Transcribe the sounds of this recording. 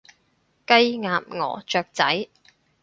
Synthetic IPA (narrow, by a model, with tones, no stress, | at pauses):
kɐ˥jŋaː˨˧p̚ŋɔ̰ː˨˩t͡ʃœː˨˧k̚t͡sɐ˨˥j